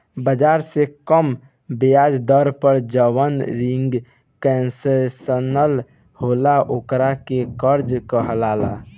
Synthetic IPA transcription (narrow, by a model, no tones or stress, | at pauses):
bəd͡ʒaɾsekəm | bejad͡ʒd̪əɾpəɾd͡ʒəʋənɾiŋɡ | kɛnsesənəl | holaʔokɾakekəɾd͡ʒkəɦlala̰